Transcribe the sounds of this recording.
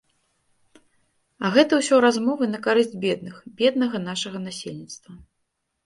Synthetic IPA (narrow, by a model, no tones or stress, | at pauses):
ɐɣɛt̪ɐwsʲɔɾazmɔvɨnɐkaɾɨzʲd͡zʲbʲɛd̪̚nɨxbʲɛd̪nɐɣɐnaʂɐɣɐnasʲelʲnʲit̪st̪vɐ